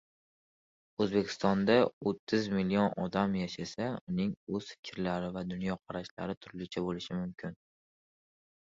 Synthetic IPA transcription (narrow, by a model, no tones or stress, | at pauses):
ɵzbekʲʰɪ̥st̪ɒnd̪aot̪ʰːɪzmɪlionɒ̰d̪amjaʃasaʊnɪŋɵz̥fɪ̥kʲʰɾlaɾɪvad̪ʊnjɒqʰɑɾaʃla̰ɾɪt̪ʰʊɾlɪt͡ʃʰabolɪʃɪmʊmkʲʰɪn